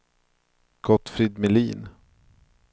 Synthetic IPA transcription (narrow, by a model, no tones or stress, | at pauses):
ɡ̥ɔt̪ːfɾɪd̪mɛliːn